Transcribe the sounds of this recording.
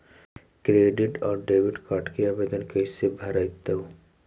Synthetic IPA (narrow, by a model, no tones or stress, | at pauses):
kɾeːɖɪʈɔːɾɖeːʋɪɖkaʈkiaːbeːd̪ənkɐjsebʱɐɾajt̪ɐu